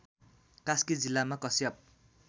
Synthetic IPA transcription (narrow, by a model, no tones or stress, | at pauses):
kaskid͡zilːamakʌsjʌp̚